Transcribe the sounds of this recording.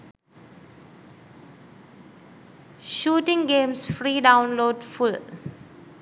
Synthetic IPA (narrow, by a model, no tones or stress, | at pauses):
ʃuːʈɪ̃ŋɡẽːmsfɾiːɖãʊ̃nloːɖfʊl